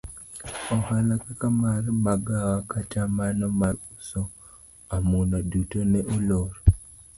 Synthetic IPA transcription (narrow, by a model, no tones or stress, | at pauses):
ɔhalakakamarmaɡawakat͡ʃamanɔmaɾusɔ | amunadutonɛʔuloɾɔ